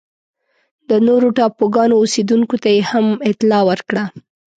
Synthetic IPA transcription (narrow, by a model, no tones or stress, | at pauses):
d̪ənoɾoʈɑpoɡɑnoːsed̪uŋkot̪ajehamɪt̪lɑwəɾkɽa